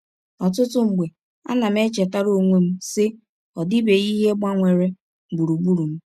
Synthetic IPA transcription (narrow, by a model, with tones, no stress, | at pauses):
ɔ˨tʊ˦tʊ˦ŋ͡m̩˨ɡ͡be˨ | a̰˦na˨m̩˦e˦t͡ʃe˨ta˦ɾo˦˨ŋʷe˦m̩˦sɪ˦ | ɔ˨dɪ˦be˨i˦ɦe˦ɡ͡ba˦ŋʷe˨ɾe˦˨ | bu˨ɾu˨bu˦ɾu˨m̩˦